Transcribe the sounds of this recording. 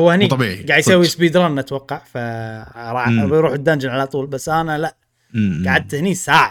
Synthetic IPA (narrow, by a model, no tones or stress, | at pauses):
ʊwːahɪniɡaːʕd̪jsawːisbiːd̪ɾˤɑːnnʔat̪wɑqːɑʕfaɾˤɑːjɾuːħɪd̪ːand͡ʒɪnʕalat̪ˤuːlbasːʔanalaʔ | ɡaʕad̪̚t̪hɪnisaːʕa